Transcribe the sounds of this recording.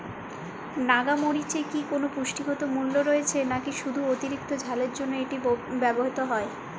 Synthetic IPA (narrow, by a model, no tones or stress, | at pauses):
naɡamoɽit͡ɕekikonopuʃʈiɡɔt̪omulːoɾoet͡ɕʰenakiʃud̪ʱuot̪iɾik̚t̪od͡ʑʱaleɾd͡ʑonːoeʈibɛboɦit̪oɦɔe